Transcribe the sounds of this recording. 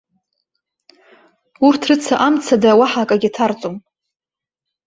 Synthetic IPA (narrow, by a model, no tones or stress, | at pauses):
urtʰrɨt͡sʰaʔamt͡sʰadawaħakʼaɡʲitʰart͡sʼom